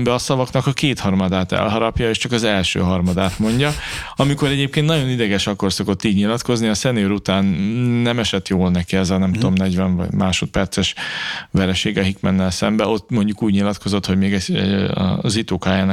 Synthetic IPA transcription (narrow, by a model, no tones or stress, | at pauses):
mbɛɒsɒvɒknɒkɒkeːt̪hɒrmɒd̪aːt̪ɛ̰lɦɒɾɒpjɒeːʃt͡ʃɒkɒzɛlʃø̰ːɦɒrmɒd̪aːt̪mo̞ɲɟɒɒmiko̞ɾɛɟeːp̚keːnt̪nɒɟo̞nid̪ɛɡɛʃɒko̞rso̞ko̞t̪ːiːɟɲilɒt̪ko̞zniɒsɛneːɾut̪aːnːɛmɛʃɛt̪joːlnɛkiɛzɒnɛmt̪uomnɛɟʋɛnvɒ̰ɟmaːʃo̞t̪̚pɛrt̪sɛʃʋɛɾɛʃeːɡɛɦikmɛ̰nːɛlsɛmbɛo̞t̪ːmo̞ɲɟukuːɟɲilɒt̪ko̞zo̞t̪ho̞ɟmeːɡɛ̰ | zit̪oːkaːjaːn